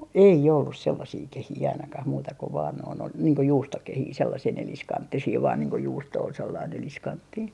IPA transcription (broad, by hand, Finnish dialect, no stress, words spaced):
ei olːus selːɑsiː kehiː ɑinɑkɑh muːtɑ ko ʋɑːn noin ol niːŋ ko juːstokehiː selːɑsiː neliskɑntːisiː ʋɑːn niːŋ ko juːsto ol selːɑin neliskɑntːiː